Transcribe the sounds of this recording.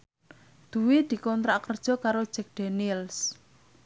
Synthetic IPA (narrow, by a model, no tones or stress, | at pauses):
d̪̥ṳwid̪̥i̤kɔnt̪ɾakərd̥ʒ̥ɔ̤kaɾod̥ʒ̥ɛk̚d̪̥e̤nils